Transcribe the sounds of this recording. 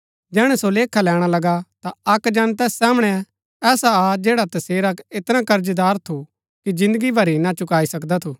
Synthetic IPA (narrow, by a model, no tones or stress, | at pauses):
d͡ʒɛːɽ̃ɛsoleːkʰalɛːɽ̃alɐɡat̪aɐkd͡ʒɐnt̪̬ɛːsːaːmɽ̃ɛ | ɛːsaad͡ʒɛːɽat̪ɐseːɾakɪt̪ɾãkɐɾd͡ʒd̪aːɾt̪ʰu | kid͡ʒɪ̃nd̪əɡibʱɐɾinat͡ʃʊkaːisɐkd̪at̪ʰuː